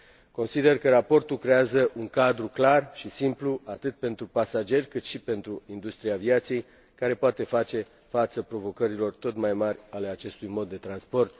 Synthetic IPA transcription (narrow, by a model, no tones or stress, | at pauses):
ko̞nsid̪e̞rkəɾapo̞rt̪ulkɾeazəʔuŋkad̪ɾuklarʃisimpluat̪ɨt̪̚pe̞nt̪ɾupasad͡ʒe̞rʲkɨt̪ʃipe̞nt̪ɾuind̪ust̪ɾiaviat̪sije̞j | kaɾe̞poat̪e̞fat͡ʃe̞ | fat̪səpɾo̞vo̞kəɾilo̞rt̪o̞t̪majmarʲale̞at͡ʃe̞st̪ujmo̞d̪ːe̞t̪ɾanspo̞rt̪̚